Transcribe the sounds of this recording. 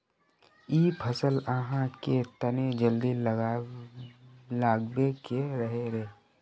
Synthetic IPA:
iːpʰəsələɦãket̪əned͡ʒəld̪i | laːɡbekeɾəɦeɾeː

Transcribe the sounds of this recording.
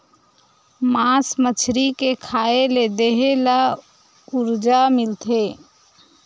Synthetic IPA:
masmət͡ʃʰɾikekʰaeled̪eɦela | uɾd͡ʒamilt̪ʰe

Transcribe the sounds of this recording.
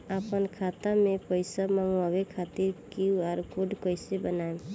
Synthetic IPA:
apənkʰat̪amepəjsamamuabekʰat̪iɾkiuaɾkuɖkəjsebənaem

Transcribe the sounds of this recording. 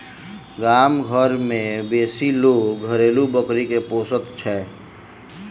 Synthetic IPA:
ɡaːmɡʱəɾmẽbeːsiloːɡɡʱəɾeːlubəkɾikepoːsət̪t͡ʃʰɛ

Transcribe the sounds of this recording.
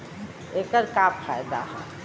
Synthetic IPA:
eːkəɾkaːpfʰa̰ːjd̪a̰ɦɛ

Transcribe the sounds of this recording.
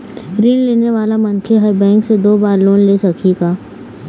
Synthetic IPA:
bɾiːnleːneʋaːlamɐ̃nkʰeɦɐɾbɛ̃ːŋksed̪oːbaːɾloːnleːsɐkʰiɡaː

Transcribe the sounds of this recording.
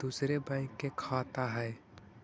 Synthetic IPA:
d̪usɾebɛ̃ɪ̃kːekʰaːt̪aɦɛː

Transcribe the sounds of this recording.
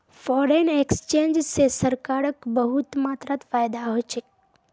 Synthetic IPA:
fɔɾenekst͡ʃẽnd͡ʒsesəɾkaɾəkbəɦut̪mat̪ɾat̪fajd̪aɦojt͡ʃʰek

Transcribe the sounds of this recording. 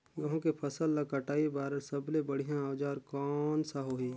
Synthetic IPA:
ʋəɦõkepʰəsəlːekəʈaːibaːɾəɾsəblebəɽ̤ijãaːd͡ʒaːɾkɔːnsaɦoːɦiː

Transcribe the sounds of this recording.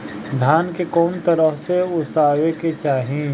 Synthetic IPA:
d̪ʱaːnkekɔːnt̪əɾəfseʊsaːweket͡ʃaːɦĩ

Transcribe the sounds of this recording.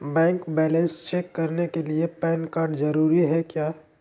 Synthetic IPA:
bɛ̃ːŋkbɛːlɛ̃nst͡ʃeːkːɐɾnekeliepɛːnkaːɾɖd͡ʒɐɾuːɾiɦɛkjaː

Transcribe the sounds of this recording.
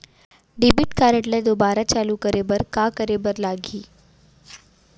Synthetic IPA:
ɖibiʈkaɾẽʈlɛd̪obaɾat͡ɕalukəɾebəɾkakəɾebəɾlaɡʱiː

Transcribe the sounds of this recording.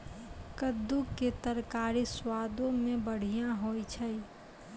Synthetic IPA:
kəd̪ːuket̪əɾkaːɾiswaːd̪õmẽbəɽ̤ijãɦoːit͡ʃʰəi

